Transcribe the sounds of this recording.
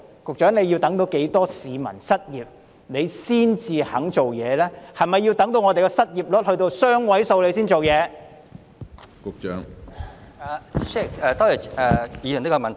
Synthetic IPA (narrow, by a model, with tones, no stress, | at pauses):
kʊ˨k̚t͡ʃœː˨˥ŋne˨˧jiː˧wt̪ɐ˨˥ŋt̪o˨˧wke˨˥jt̪ɔː˥siː˨˧mɐ̰˨˩nsɐ˥t̚jiː˨p̚ | ne˨˧jsiː˥nt͡siː˧hɐ˨˥ŋt͡so˨wjɛː˨˧lɛː˥hɐ˨jmɐ˨˩jːi˧wt̪ɐ˨˥ŋt̪o˧wŋɔː˨˧t̪e˨jkɛ˧sɐ˥t̚jiː˨˩p̚lɔ˥t̚hɵ˧ɥt̪o˧wsœː˥ŋwɐ˨˥jso˧wle˨˧siː˥nt͡so˨wjɛː˨˧ | kʊ˨k̚t͡ʃœ̰ː˨˥ŋ | aː˨˩ʃɛ˥˩kɛː˨˧t̪ɔː˥ji˨˩ɛ˨jiː˨˧œ˨˩nli˥kɔ˧mɐ˨nt̪ʰ